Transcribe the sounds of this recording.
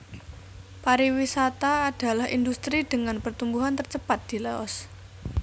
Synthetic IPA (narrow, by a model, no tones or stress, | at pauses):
paɾiwisat̪aːd̥a̤lahḭnd̪ust̪ɾiɖ̥ə̤ŋanpərt̪umbuɦant̪ərt͡ʃəpat̪̚d̪̥i̤lɛɔ̰s